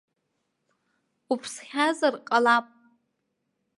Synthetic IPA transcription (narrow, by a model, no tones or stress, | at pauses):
upʰsχʲazarqʼalapʼ